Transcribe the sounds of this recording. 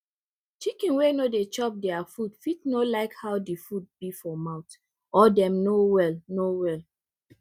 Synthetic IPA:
t͡ʃikĩnwenodet͡ʃɔp̚dɛafudfit̚nolaɪkhawdifud̚bifɔmãʊt | ɔdɛ̃mnowɛlnowɛl

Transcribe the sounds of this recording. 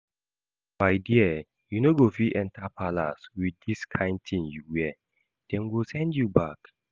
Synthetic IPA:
b̥aɪdiə | junoɡofiʔɛ̃ntapʰala̰swidiskʰãɪ̃nd̚tʰĩmjuwɛ | d̥ɛ̃nwilsɛ̃ndjubak

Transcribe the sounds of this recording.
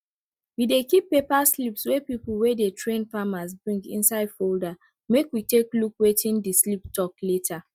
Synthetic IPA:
widekipːepaslipswɛpipl̩wɛdetʰɹẽnfamazbɹĩŋɡḭ̃nsaɪdfolda | mekwiteklukwetʰĩndisliptʰɔkletʰa

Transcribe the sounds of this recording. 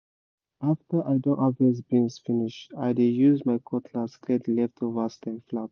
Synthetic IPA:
aftə˞ʔajdõnʔɔvɛzbĩnsfiniʃtajdejuzmajkʰɔtʰlaskɛtlɛftʰɔvastɛ̃nflat̚

